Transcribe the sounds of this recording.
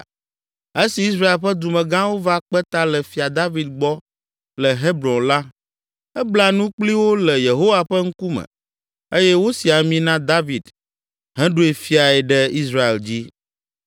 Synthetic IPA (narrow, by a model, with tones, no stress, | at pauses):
e˦si˨i˦s̬ɾa˦e˨lɸɛ˦d̪u˨mɛ̃˨ɡã˦wo˦va˦k͡pɛ˦t̪a˦lɛ˨fi˨a˨d̪a˦vi˨d̪̚ɡ͡bɔ˦ | lɛ˨ɦe˦bɾɔ̃˨nla˦ | ɛ˦bla˦nũ˦k͡pli˦wo˦lɛ˨je˨ɦo˦wa˨ɸɛ˦ŋ̩˦ku˦mɛ̰̃˨ | e˦jɛ˦wo˦si˨a˨mĩ˦nã˦d̪a˦vi˨d̪ | ɦɛ̃˦ɖo˦e˨fi˦a˨ɛ˨ɖɛ˦i˦sɾa˦ḛ˨ld͡ʑi˦